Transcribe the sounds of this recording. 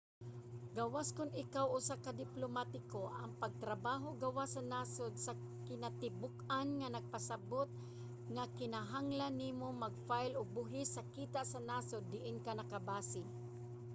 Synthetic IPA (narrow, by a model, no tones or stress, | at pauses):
ɡawaskʊnɪkawʔʊsakad̪ɪplomat̪ɪkoʔɐŋpɐɡ̚t̪ɾabaːɦoɡɐwasɐnaːsod̪sɐ | kɪnat̪ɪbʊkanŋanɐɡ̚pasabot̪̚ | ŋakɪnaɦaŋlanːiːmomɐɡ̚fajlʊɡ̚bʊɦɪsɐkiːt̪aʔsɐnaːsod̪ːɪʔɪnkanɐkabaːsɪ